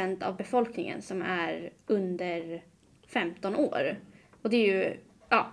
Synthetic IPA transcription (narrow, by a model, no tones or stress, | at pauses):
ɛnt̪a̰vbɛfɔlknɪŋə̰nsɔmæɾɵnd̪əɾ | fɛmt̪ɔnoːɾ | ɔd̪ɛɾjɵ | ɑː